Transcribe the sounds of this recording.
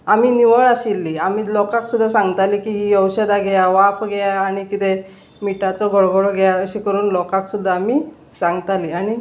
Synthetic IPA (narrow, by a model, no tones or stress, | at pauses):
amiːniʋəɭaɕilːiamiːlɔkaksud̪ʱːasãŋɡt̪aliːkiɦijəwɕəd̪aɡɛjaʋapɡɛjaːɽ̃ikit̪e | miʈat͡sɔɡɔɭɡɔɽɔɡɛjaəɕikəɾuːnlɔkaksud̪ʱːaːmiː | sãŋɡt̪aliaɽ̃i